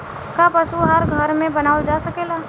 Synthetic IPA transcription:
kapəsuɦaɾɡʱəɾmẽbənaːʊld͡ʒaːsəkeːlaː

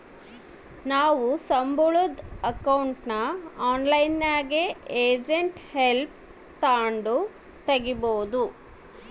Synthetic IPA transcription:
naːʋusɐmbuɭud̪ɐkɐwuɳʈnɐaːnlɐjnːaːɡeeːd͡ʒeɳʈhelp̚ | t̪aːɳɖu | t̪ɐɡiboːd̪u

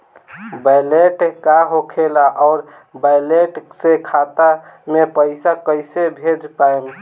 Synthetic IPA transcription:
bajleʈkaɦokʰelaʔɔʊɾ | bajleʈsekʰat̪amepəɪsakəɪsebʱed͡ʒpaem

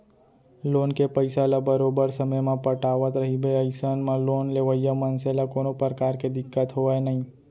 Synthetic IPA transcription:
lonkepəjsalabəɾobəɾsəməjmãpəʈaʋət̪ɾəɦibeəjsənmãlonleʋəjamənselakonopɾəɾkaɾked̪ɪkːət̪ɦoʋajnəɦĩ

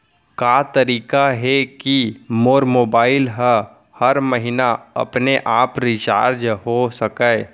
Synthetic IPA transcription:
kaːt̪əɾiːkaɦɛkimoːɾmoːbaːɪlɦə | həɾməɦɪnaɐ̰pneʔaːpɾit͡ʃa̰ːɾd͡ʒɦosəkəː

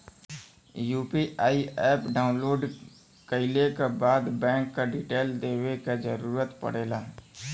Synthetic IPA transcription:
juːpiʔaːiɛːpɖaːʊ̃nloːɖ | kəɪlekebaːd̪bɛ̃ːŋkːaɖiːʈeːld̪eːwekad͡ʒəɾuːɾət̪pə̰ɽeːlaː

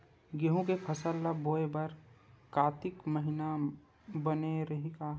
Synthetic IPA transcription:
ɡeɦũkepʰɐsəlːaboːebaɾkaːt̪ɪkməɦɪna | bəneɾɐɦika

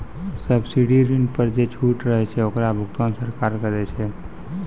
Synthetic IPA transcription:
səbsiɽiɾiɳɖpəɾd͡ʒet͡ʃʰuʈɾəɦɛt͡ʃʰɛokɾabʱʊkt̪ansəɾkaɾkəɾɛt͡ʃʰɛ

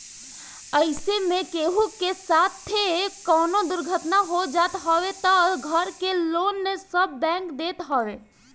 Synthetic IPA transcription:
əɪsemekeɦukesat̪ʰːekɔnod̪ʊɾɡʱət̪naɦod͡ʒat̪ɦɔwet̪ɔɡʱəɾkelonmesəbːɛ̃ŋkd̪et̪ɦɔʋe

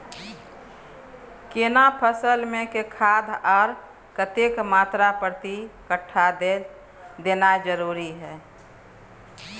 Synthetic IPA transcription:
kenapʰəsəlmẽkekʰad̪ʱɔːɾ | kət̪ekmaːt̪ɾapɾt̪ikəʈʰːa | d̪enad͡ʒəɾuɾiɦɛː

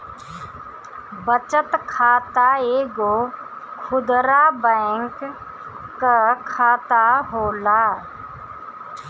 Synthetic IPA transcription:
bət͡ʃət̪kʰaːt̪aeːɡo | kʰʊd̪ɾabɛŋkː | akʰaːt̪aɦoːlaː

